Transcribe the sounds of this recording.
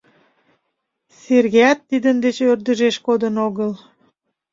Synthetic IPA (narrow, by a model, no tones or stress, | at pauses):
serɣeɑt̪ːid̪ənd̪et͡ɕørd̪əʒeʃkod̪ənoɣəl